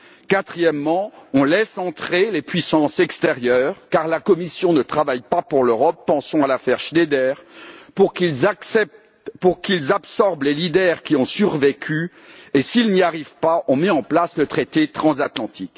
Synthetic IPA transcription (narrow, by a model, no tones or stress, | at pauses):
kat̪χijɛmːɑ̃ɔ̃lɛsɑ̃t̪χelepɥisɑ̃sɛkst̪eʁjœːʁkaʁlakɔmisjɔ̃nət̪χavajpapuʁløʁɔpːɑ̃sɔ̃alafɛʁʃd̪ed̪ɛːʁpukksɛp̚t̪ | puʁkilzapsɔʁblelid̪ɛʁkʲiɔ̃syʁvekʲʰy | esilniaʁivpaʔɔ̃mɛɑ̃plaslət̪χet̪et̪χɑ̃zat̪lɑ̃t̪ʰik